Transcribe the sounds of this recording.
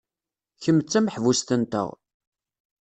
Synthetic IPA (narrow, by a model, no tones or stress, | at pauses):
çəmːət͡sːæmħvust̪ənt̪ə̰ʁ